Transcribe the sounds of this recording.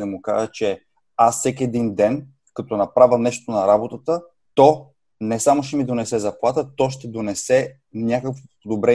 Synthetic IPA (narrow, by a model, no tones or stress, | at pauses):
d̪ɐmuka̰ʒət͡ʃɛ | asːɛkʲiɛd̪ind̪ɛn | kɐt̪ɔnɐpɾavʲəmnɛʃt̪onɐɾabot̪ət̪ə | t̪ɔ | nɛsamoʃɛmid̪onɛsɛzɐplˠat̪ət̪ɔʃt̪ɛd̪onɛsɛ | nʲakəkvopod̪obɾɛ